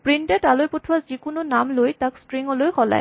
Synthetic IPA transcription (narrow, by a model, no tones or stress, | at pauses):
pɹintɛtalojpotʰwazikʊnʊnamlojtakstɹiŋɔlojkʰɔla̰j